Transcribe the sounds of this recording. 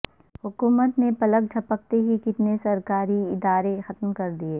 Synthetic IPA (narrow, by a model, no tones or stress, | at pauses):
hʊkuːmət̪nepɐlək̚d͡ʒʰʱɐpək̚t̪eɦikɪt̪nesɐɾkaːɾiɪd̪aːɾexɐt̪mkɐɾd̪ieː